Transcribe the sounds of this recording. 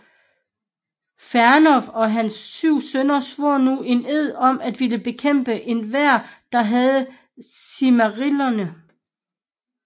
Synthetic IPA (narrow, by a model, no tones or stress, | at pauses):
fæɐnɒfɒ̽ɦænsːyʊ̰sønɐsʋoɐ̰nue̝neð̰ˠɒ̽mæd̥ʋiləb̥e̝kʰem̰b̥əʔe̝nʋæɐ̰d̥ɑ̈ɦæð̞ˠə | simæʁilɐnə